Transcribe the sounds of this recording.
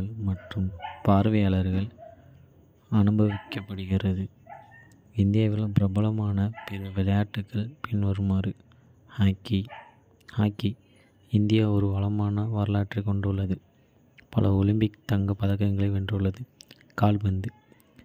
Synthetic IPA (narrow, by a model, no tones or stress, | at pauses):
ɐɭmɐʈrɯmpaːɾʋɐjaːɭɐɾɣɐɭ | ɐnɯbɐʋɪkːɐpːɐɽɯɣɪrɐðɯ | ɪnd̪ɪjaːʋɪlpɪɾɐbɐlɐmaːnɐpɪɾɐʋɪlɐjaːʈːɯkːɐɭpɪnʋɐɾɯmaːɾɯ | haːkːi | haːkːi | ɪnd̪ɪjaɔɾɯʋɐɭɐmaːnɐʋaːɾlaːʈrikɔɳɖɯɭːɐðɯ | pɐlɐɔlɪmbɪkt̪ɐŋɡɐpːɐðɐkːɐŋɡɐɭɐɪʋɛndrɯɭːɐðɯ | kaːlbɐnd̪ɯ